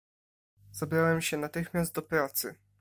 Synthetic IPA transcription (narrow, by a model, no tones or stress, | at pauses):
z̥abɾawɛmɕɛnat̪ɘxmʲjast̪̚d̪ɔpɾat̪sɘ